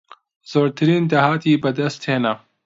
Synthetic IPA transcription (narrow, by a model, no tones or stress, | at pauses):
z̥oːɾt̪ɐɾiːnd̪ɐɦaːt̪iːbɐd̪ɐst̪heːna